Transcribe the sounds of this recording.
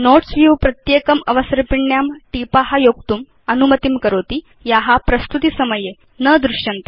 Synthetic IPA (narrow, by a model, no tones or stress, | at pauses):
noʈsʋuʋpɾɐt̪jeːkɐmɐʋɐsɾpiɳːjaːmʈipaɦajoːk̚t̪um | ɐnumɐt̪imkəɾoːt̪i | jaɦapɾɐst̪ut̪isɐmɐje | nəd̪ɾuʂjɐnt̪i̥